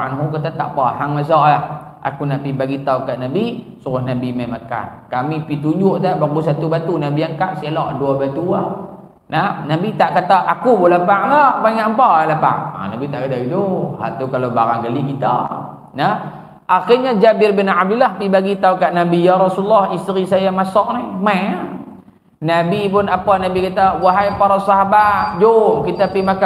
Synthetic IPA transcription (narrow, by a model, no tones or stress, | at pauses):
anɦukat̪at̪a̰ʔpaɦaŋmas̬ɔʔlah | ʔa̰kunaʔpibaɡit̪aukaʔnabisuɾʊhnabimaimaka̰nkamipit̪uɲd͡ʒʊʔt̪aʔbaɣus̬at̪ubat̪unabiaŋkaʔsialɔʔduabat̪ua | nahnabit̪aʔkat̪aʔakubolapaŋlabaɲaʔmpaʔalapa̰ŋa̰na̰bit̪aʔkadaidoha̰ʔt̪ukaloba̰ɾaŋɡalikit̪a̰ | na | ʔaxɪrɲad͡ʒabɪrbɪnab̚dulːahpibaɡit̪aukaʔnabijaɾɔsulːɔhist̪ɾisajamasɔʔnihma | nabip̬ʊnapanabikat̪awaɦajpaɾasaɦabat̪̚d͡ʒokit̪apimaka